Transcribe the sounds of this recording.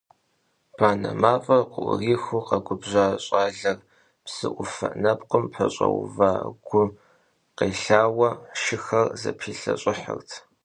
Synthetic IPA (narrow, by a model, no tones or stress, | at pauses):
b̥aːnɐmaːfʼɐrqʊʔriːxuqɐɡʷʊbʑaːɕʼaːɮɐr | psɨ̰ʔʷʊfɐ̰ʔnɐpqəmpħɐɕʼɐ̰w̰va̰ːɡ̥ʷʊ | qeːɬaːwɐʃɪxɐrzɐ̰pʰiːɬɐɕʼɪħə̰rtʰ